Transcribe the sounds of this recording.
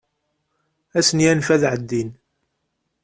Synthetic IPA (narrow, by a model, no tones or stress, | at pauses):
æsənjænfæðʕəd̪ːin